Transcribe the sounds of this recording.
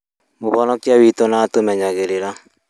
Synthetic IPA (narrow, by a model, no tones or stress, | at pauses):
moβɔnɔkiawitɔnaːtomɛɲaɣeɾeɾa